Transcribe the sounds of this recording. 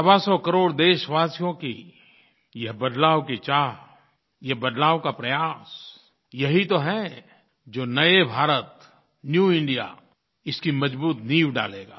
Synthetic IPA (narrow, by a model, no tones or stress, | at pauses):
sɐbasɔkɐɾoːɽd̪eːʃʋaːsijõki | jɐɦbɐd̪laːʋkit͡ʃaːɦ | jɐɦbɐd̪laːʋkapɾɐjaːs | jɐɦit̪oɦɛ | d͡ʒoːnɐebʱaːɾət̪ | njuːɪ̃ɳɖija̰ | ɪskimɐd͡ʒbuːt̪niːʋɖa̰ːleːɡa̰ː